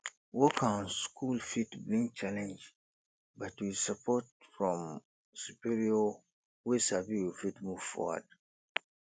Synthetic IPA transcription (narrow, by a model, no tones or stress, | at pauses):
wɔkʰãnskʰulfitblĩŋ̚t͡ʃalɛ̃nd͡ʒ | batwisapʰɔt̚fɹɔ̃m | supiɹiɔ | wesabiwifitmuv̥fɔ̰wa̰d̥